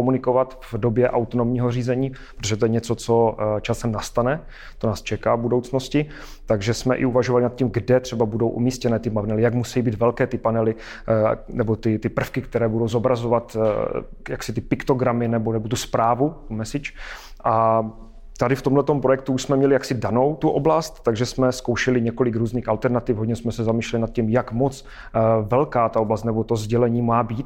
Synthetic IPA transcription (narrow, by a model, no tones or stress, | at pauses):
omunɪko̞vat̪vdobjɛʔawt̪onomɲiːɦoriːzɛɲiːpɾot̪oʒɛt̪ojɛɲɛt͡so̞t͡sot͡ʃasɛmnast̪anɛ | t̪onaːst͡ʃɛkaːvbudo̞wt͡sno̞scɪ | t̪aɡʒɛsmɛʔɪuvaʒovalɪnat̪cimɡdɛt̪r̝̥ɛbabudo̞wʔṵmiːscɛnɛːt̪ɪmanɛlɪjakmusɛjiːbiːt̪vɛlkɛːt̪ɪpanɛlɪ | nɛbot̪ɪt̪ɪpr̩fkɪk̚t̪ɛɾɛːbudo̞wzobɾazo̞vat̪ | jaksɪt̪ɪpɪkt̪o̞ɡɾamɪnɛbonɛbot̪̬uspɾaːvut̪umɛsɪt͡ʃ | ʔa | t̪adɪft̪omlɛt̪ompɾojɛk̚t̪uuʃsmɛmɲɛlɪjaksɪdano̞wt̪uʔo̞blast̪t̪aɡʒɛsmɛskowʃɛlɪɲɛko̞lɪkɾuːzniːxalt̪ɛɾnat̪ɪfɦoɟɲɛsmɛsɛzamiːʃlɛlɪnat̪̚cimjakmot͡s | vɛlkaːt̪aoblast̪nɛbot̪ozɟɛlɛɲiːmaːbiːt̪̚